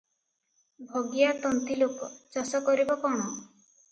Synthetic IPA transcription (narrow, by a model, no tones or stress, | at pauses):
bʱoɡijat̪ɔnt̪ilopɔt͡ʃɔsɔkɔɾibɔkɔɽ̃ɔ